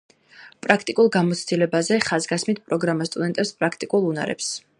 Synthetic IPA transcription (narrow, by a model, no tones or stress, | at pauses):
pʼɾakʰt̪ʼikʼulˠɡamɔt̪sʰd̪̥ilɛbazɛχazɡasmit̪̚ʰpʼɾɔɡɾamast̪ʼud̪ɛnt̪ʼɛpspʼɾakʰt̪ʼikʼulˠuna̰ɾɛ̰ps